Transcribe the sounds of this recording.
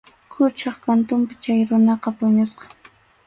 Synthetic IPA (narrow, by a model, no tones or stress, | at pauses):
kʰʊt͡ʃɑχkant̪ʊmpɪt͡ʃajɾʊnɑqɑpʊɲʊsqɑ̥